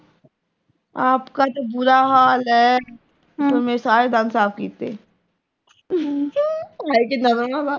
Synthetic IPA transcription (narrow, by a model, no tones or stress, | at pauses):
aːpkat̪obʊɾaɦaːlɦɛ | t̪omesaːɾed̪ãːnsaːfkiːt̪e | aːikenamaaba